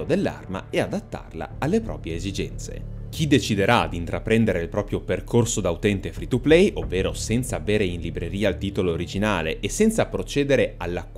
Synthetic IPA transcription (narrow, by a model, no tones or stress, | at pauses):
od̪elːa̰rma̰ead̪at̪ːa̰rla̰alːepɾɔ̰ːpɾjeːzid͡ʒɛnt̪sḛk̟ʰid̪et͡ʃid̪eɾad̪int̪ɾapɾɛnd̪eɾeilpɾɔːpɾjoperkʰorsod̪aut̪ɛnt̪efɾit̪uplɛjʔovːeːɾosɛnt̪saːveːɾeinlibɾeɾiːailt̪iːt̪oloːɾid͡ʒinaːleʔːsɛnt̪sapɾot͡ʃeːd̪eɾealːakː